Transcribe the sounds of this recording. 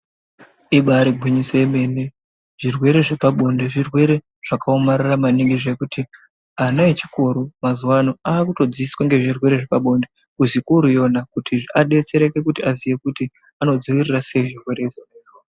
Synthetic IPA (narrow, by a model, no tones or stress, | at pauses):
iɓaɾiɡʱwiɲiseme̞ːne | ʐ̥irwe̞ɾe̞ʐepaɓo̞ndeʐirwe̞ɾe̞ | ʐ̥akaomariramaniŋɡiʐe̞kuti | anait͡ʃikoɾumazuwanoaːkuto̞d͡ziiswaŋɡe̞ʐirwe̞ɾeʐe̞paɓo̞nde̞ | kuzikuɾujo̞nakutiʐaɗe̞t͡se̞ɾeke̞kutiazije̞kuti | ano̞d͡ziʋirirase̞ʐirwe̞ɾe̞izoneːzwa